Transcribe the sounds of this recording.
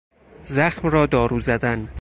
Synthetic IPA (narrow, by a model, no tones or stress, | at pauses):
zæxmɾɒːd̪ɒːɾuːzæd̪æn